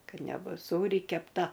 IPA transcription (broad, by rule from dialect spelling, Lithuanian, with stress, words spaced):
ˈkɐt nʲɛˈbʊs ˈsuːrʲɪ kʲɛpˈtɐ